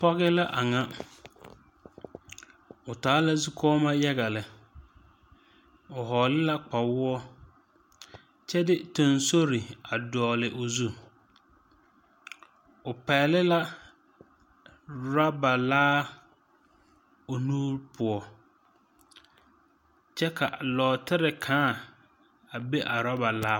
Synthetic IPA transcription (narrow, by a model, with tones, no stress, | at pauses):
pɔ˦ɣɪ˦la˦ʔa˨ŋa˦ | ʊ˨taː˨˦la˦zu˦kʰɔː˦ma˦jɛ˦ɣa˨lɪ˨ | ʊ˨ɦɔː˨lɪ˦la˦k͡pa˨wʊ˦ɔ˦ | t͡ʃɛ˦dɪ˦tʊ˨nso˦ɾɪ˨a˨dɔː˨lɪ˨ʔʊ˨zu˦˨ | ʊ˨pɛː˨lɪ˦la˦ | ɾa˦ba˨laː˦ | ʊ˨nũː˦ɾpʰʊ˨ɔ˨ | t͡ʃʰɛ˦kʰa˨lɔː˨tɪ˦ɾɪ˨kʰãː˦˨ | a˨be˦ʔa˨ɾa˦ba˨laː˦